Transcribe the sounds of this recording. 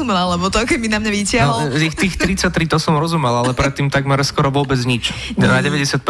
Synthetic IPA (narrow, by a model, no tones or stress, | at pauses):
umɛlalɛbɔt̪ɔkɛminamɲaʋicɪaɦɔixt̪iːxt̪ɾit͡sac̚t̪ɾit̪ɔsɔmɾɔzumɛlalɛpɾɛt̪ːiːmt̪aɡmɛɾskɔɾɔʋʊɔbɛd͡zɲit͡ʃ | naɟɛʋɛɟɛsɪat̪̚p